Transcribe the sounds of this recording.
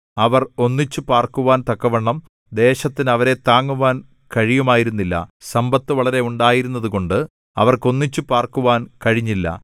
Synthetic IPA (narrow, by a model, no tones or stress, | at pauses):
ɐʋɐro̞nːit͡ɕːɨpaːrkuʋaːnt̪ɐkːɐʋɐɳːɐm | d̪e̞ːɕɐt̪ːinɐʋɐɾe̞t̪aːŋːuʋaːn | kɐɻijumaːjiɾunːilːɐ̰sɐmbɐt̪ːɨʋɐɭɐɾe̞uɳɖaːjiɾunːɐðuko̞ɳɖɨ | ɐ̰ʋɐrko̞nːit͡ɕːupaːrkuʋaːnkɐɻiɲːilːɐ̰